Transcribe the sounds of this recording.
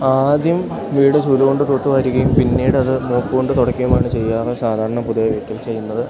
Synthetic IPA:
aːd̪jɐm | ʋiːɽɨsuːluɣo̞ɳɖɨt̪oːt̪ːɨʋɐɾiɣɐjumpinːiːɽɨɐðɨmoːpːuɣo̞ɳɖɨt̪oɽɐkːijɐmaːɳɨt͡ɕe̞jːaːɣɐsaːd̪ʱaːɾɐɳɐpuðɐjɐʋeːkːɐlt͡ɕe̞jːunːɐðɨ

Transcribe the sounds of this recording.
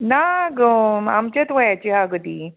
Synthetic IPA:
naɡəa̰mt͡ɕet̪ʋajat͡ɕiɦaɡəd̪iː

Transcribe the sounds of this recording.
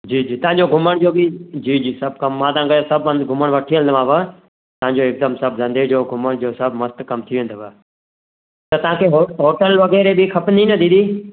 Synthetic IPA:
d͡ʑiːd͡ʑiːt̪ɐʋãɲd͡ʑoɡʱʊməɽ̃d͡ʒoːbid͡ʑiːd͡ʑiːsɐb̚kɐmːãːt̪ɐãkɐjsɐbə̃nd̪ɡʱʊməɽ̃ʋɐʈʰiːə̃nd̪ʋãːʋə | t̪ɐɦãɲd͡ʑoɪkzãːmsɐbzɐ̃nd̪ed͡ʑoːɡʱʊməɽ̃d͡ʒoːsɐbʱmɐst̪kɐmt̪ʰijoʋɦɪ̃ːnd̪oʋə | t̪ɐt̪ɐʋ̤ãːkʰeɦoɦoːʈəlʋɐɣɛːɾebikʰɐpninɐd̪ĩd̪iː

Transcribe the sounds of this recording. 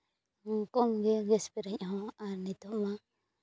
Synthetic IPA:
ŋkomɡeɡespiɾeɲɦõanit̪omã

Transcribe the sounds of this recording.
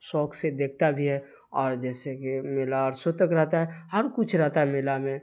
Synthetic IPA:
sɔːksed̪eːk̚ʰt̪abʱiɦɛ | ɔːɾd͡ʒɛːsekimɪlaɔːɾsot̪əkɾɛɦt̪aɦɛhɐɾkʊt͡ʃʰɾɛɦt̪aɦɛmɪlamẽ

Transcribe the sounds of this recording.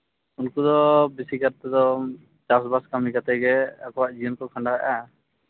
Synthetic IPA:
unkud̪ɔbisikaɾt̪ɛd̪ɔ | t͡ʃas̬baskamikat̪ɛɡɛa̰kɔwaʔd͡ʒiɔnkɔkʰaɳɖaɛ̰ʔa

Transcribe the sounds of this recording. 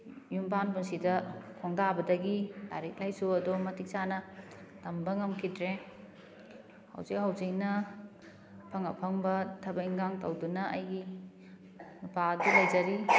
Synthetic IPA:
jumpanpunsidɐkʰɔŋdabɐdɐɡila̰ɾik̚lajsuɐdɔmɐtʰik̚sanɐtɐmbɐŋɐmkʰidɾe | hɐ̰wzik̚ɦawzik̚nɐ | pʰɐŋɐ̰pʰɐŋbɐtʰɐbɐiŋɡaŋtɐwdunɐɐjɡi | nupadilɐjd͡ʒɐɾi

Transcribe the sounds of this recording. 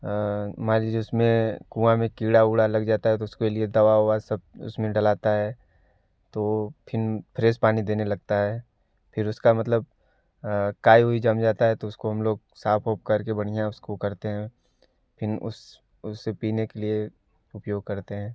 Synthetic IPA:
maːɾid͡ʒʊsmẽkũːãmẽkiːɽauːɽalɐɡd͡ʒaːt̪aɦɛt̪oʊskelied̪ɐʋaɦoasɐb̚ʊ̰smẽɖɐlaːt̪aɦɛː | t̪oːpʰɪnpʰɾeːspaːnid̪eːnelɐɡ̚t̪aɦɛː | pʰɪɾʊskamɐt̪ləb̚ | kaːiɦuid͡ʒɐmd͡ʒaːt̪aɦɛt̪oʊskoɦɐmloːɡ̚ | saːpʰoːp̚kɐɾkebɐɽ̤ijaʊskokɐɾt̪eɦɛ̃ | pʰɪnʊ̰s | ʊsːepiːnekelie | ʊpjoːɡ̚kɐɾt̪eɦɛ̃ː

